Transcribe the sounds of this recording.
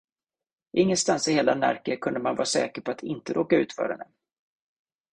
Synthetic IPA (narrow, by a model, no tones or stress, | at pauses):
ʔɪŋːənst̪ansɪheːlanæ̰ɾkəkʰɵnd̪əmanvɑ̰ːɾasɛ̰ːkəɾpʰɔat̪ʰɪnt̪əɾoːkaʉ̟ːt̪fœ̰ːɾhɛ̰nːə